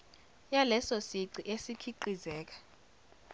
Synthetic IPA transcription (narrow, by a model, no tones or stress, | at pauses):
jalɛsosiǀiʔesikʰiǃizɛːk̬ḁ